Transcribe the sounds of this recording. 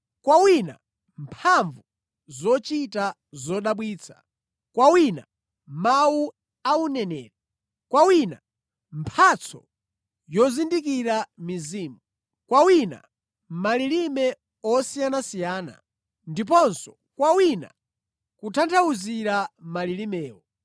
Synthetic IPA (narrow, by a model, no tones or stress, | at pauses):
kwawina̰ | mpʰaɱvu | zɔt͡ʃita | zɔɗaɓwiːt͡sʰḁ | kwawina̰ | mawu | aunɛnɛ̰ːɾa | kwawina̰ | mpʰat͡sʰɔ̰ | jɔzindik̬iɾamiziːmu | kwawina̰ | mmaliɾimɛ | ɔsijanasijaːna̰ | ndip̬ɔnsɔ | kwawina̰ | kutʰantʰawuziɾamalilimɛːwɔ